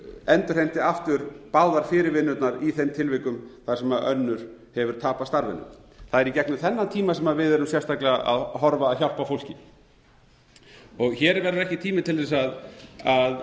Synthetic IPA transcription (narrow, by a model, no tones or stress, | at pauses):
ɛnt̪ʏɾ̥hejm̥t̪ɪaft̪ʏɾpawðaɾ̥fɪːɾɪɾvɪnːʏt̪naɾiθejmt̪ʰɪlvɪkʏmθḁsɛmaœ̰nːʏɾ̥hɛvʏɾ̥t̪ʰaːpast̪aɾvɪ̰nːʏ̰mθaðɛɾicɛknʏmθɛnːat̪ʰiːmasɛmaðvɪðɛɾʏmsjɛɾ̥st̪aklɛɣaa̰ðɦɔɾvaːðçal̥pafowlcɪ | ɔɣçɛːɾvɛɾʏɾɛhcɪt̪ʰiːmɪt̪ʰɪlθɛs̬aðað